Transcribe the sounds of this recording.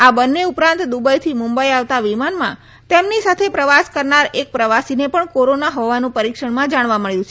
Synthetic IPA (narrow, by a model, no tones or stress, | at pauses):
abənːeupɾãnt̪d̪ubajt̪ʰimũmbəiaʋt̪aʋimanmã̰ | t̪emnisat̪ʰepɾəʋaskəɾnaɾek̚pɾəʋasinepəɳkoɾonaɦɔʋanũpəɾikʃəɳmãd͡ʒaɽ̃ʋaməɭjũt͡ʃʰe